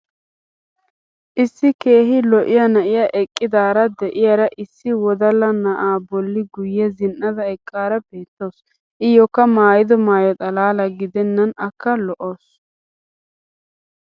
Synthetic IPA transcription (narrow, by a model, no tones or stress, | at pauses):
ʔɪsːɪke̞ːɦɪlɔʔɪjɐnɐʔɪjɐʔɛkʼːɪd̪aːɾɐd̪ɛʔɪjɐɾɐʔɪsːɪwɔd̪ɐlɐnɐʔaːbɔlːɪɡʊjːɛzɪnʔɐd̪ɐɛkʼːaːɾɐbeːt̪ːo̞ːs | ʔɪjɔkːɐmaːjɪd̪ɔmaːjɔt̪ʼɐlaːlɐɡɪd̪ɛnːɐnɐkːɐlɔʔoːs